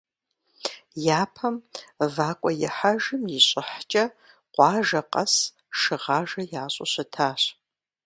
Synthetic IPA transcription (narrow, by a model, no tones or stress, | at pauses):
jaːpʰɐmvaːkʷʼɔjɪħaʒɨmjɪɕʼɪħt͡ʃʼɐ | qʷʼɑːʒɐqʼɐs | ʂɨʁaːʒɐjaːɕʼʊ̰ɕɐtʰaːɕ